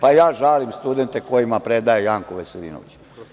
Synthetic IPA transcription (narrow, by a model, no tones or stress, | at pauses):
pajaːʒalimst̪ud̪ent̪eko̞jimapɾed̪ajejaːŋkoʋeseɾḭːno̰it͡ɕ